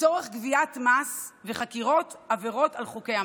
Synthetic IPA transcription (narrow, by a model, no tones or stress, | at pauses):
t͡soʁeχɡviatmasveχakiʁo̞taveʁo̞talχukejha